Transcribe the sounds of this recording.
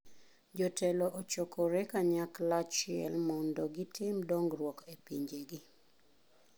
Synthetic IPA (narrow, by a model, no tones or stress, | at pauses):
d͡ʒɔtʰɛlɔʔot͡ʃokʰoɾɛkaɲaklat͡ʃɪɛ̰lmɔndɔɡɪtɪmdɔŋɡrwɔkepiɲd͡ʒeɡi